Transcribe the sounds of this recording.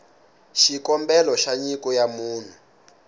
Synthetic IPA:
ʃikɔmbɛlɔʃaɲikɔjamuːn̤u

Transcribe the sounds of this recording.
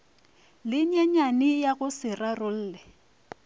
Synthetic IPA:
lɪɲaɲanɪjaɣʊsɪrarʊl̩ːlɛ

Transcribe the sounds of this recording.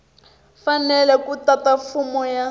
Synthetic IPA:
fanɛlɛkutatafumɔja

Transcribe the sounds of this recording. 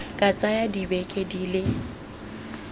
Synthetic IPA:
kʼat͡sʼajadibɛkʼediːlɪ

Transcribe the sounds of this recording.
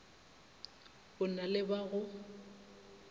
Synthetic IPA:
bʊnalɪbaɣʊ

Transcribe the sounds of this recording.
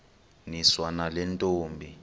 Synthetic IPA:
niswanalɛntʼoːmbʱi

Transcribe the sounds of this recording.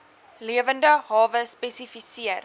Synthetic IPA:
liəvəndəɦɑːvəspɛsifisiər

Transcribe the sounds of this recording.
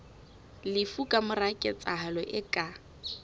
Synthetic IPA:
lɪfukʼamʊrakʼɛt͡sʼaɦalɔʔɪkʼa

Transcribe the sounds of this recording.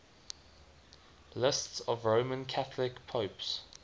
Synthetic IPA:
lɪstsəvɹəʊmə̃nkʰaθlɪkpʰəʊps

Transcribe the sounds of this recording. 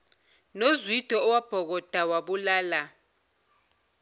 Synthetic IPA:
nozwid̥ʱɔɔwab̥ʱɔk̬ɔd̥ʱawaɓulaːla

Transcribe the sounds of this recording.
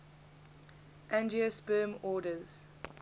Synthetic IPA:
ʔæ̃nd͡ʒiəspɜːmɔːdəz̥

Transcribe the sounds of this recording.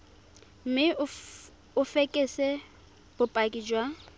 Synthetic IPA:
m̩mɪ | ʊfekʼɪsɛ | b̥ʊpʼakʼid͡ʒwa

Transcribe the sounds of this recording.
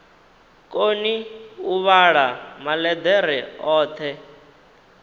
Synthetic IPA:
kʼoniuβaɺamalɛd̪ɛɾ̤ɛɔːt̪ʰɛ

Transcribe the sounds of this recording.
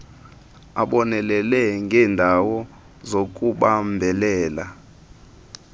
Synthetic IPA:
a̰ɓɔnɛlɛlɛŋɡʱɛːndʱawɔ | zok̬ʼuɓambʱɛlɛːla

